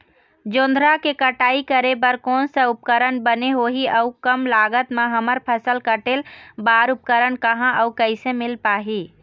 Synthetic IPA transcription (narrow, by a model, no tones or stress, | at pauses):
d͡ʒõːnd̪ʱɾakekəʈaːikəɾebəɾkoːnsə̃ʊpkəɾənbəneɦoːɦiəukəmlaːɡət̪mãɦəməɾpʰəsəlkəʈelbaːɾʊp̚kəɾənkəɦãʔəukəɪsẽmɪlpaːɦiː